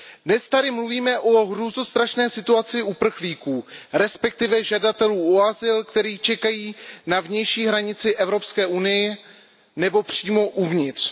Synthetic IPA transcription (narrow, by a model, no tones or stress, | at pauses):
dnɛst̪adɪmluviːmɛʔo̞ɦɾuːznost̪ɾaʃnɛːsɪt̪uat͡sɪʔupr̩xliːkuːɾɛspɛk̚t̪ɪvɛʒadat̪ɛluːoazɪlkt̪ɛɾiːt͡ʃɛkajiːnavɲɛjʃiːɦɾaɲɪt͡sɪʔɛvɾo̞pskɛːʔunɪjɪ | nɛbo̞pr̝̥iːmo̞ʔuvɲɪt̪r̥